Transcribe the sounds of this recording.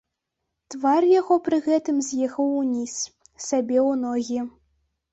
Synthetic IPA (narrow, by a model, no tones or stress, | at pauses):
t̪varjaɣɔpɾɨɣɛt̪ɨmzʲjɛxɐwnʲis | sʲabʲɛwnɔɣʲi